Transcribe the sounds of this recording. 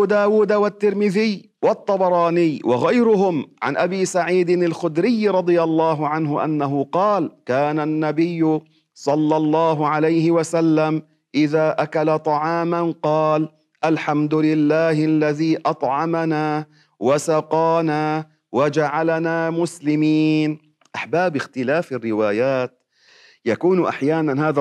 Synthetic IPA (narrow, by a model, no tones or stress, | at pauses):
uːd̪aːwuːd̪awat̪ːɪɾmɪðɪjː | wɑt̪ˤːɑbɑɾˤɑːnɪjːwʔɑɣajɾʊɦʊmʕa̰nʔabiːsaʕiːd̪ɪnalxʊd̪ɾɪjːɾˤɑd̪ˤɨjalˤːɑːɦʊʕanɦʊʔa̰nːaɦʊqɑːlkaːnanːabɪjːʊ | sˤɑlːɑlˤːɑːɦʊʕalajhɪwasalːam | ʔɪðaːʔakalat̪ˤɑʕɑːmanqɑːl | ʔalħamd̪ʊlɪlːaːhɪlːaðiːʔɑt̪ˤʕɑmanaː | wasɑqɑːnaː | wad͡ʒaʕalanaːmʊslɪmiːn | ʔaħbaːbɪxt̪ɪlaːfarːɪwaːjaːt̪̚ | jakuːnʔa̰ħjaːnanhaːða